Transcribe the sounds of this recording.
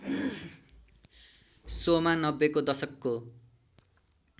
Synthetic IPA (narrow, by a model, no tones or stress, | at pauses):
somanʌbːekod̪ʌsʌkːo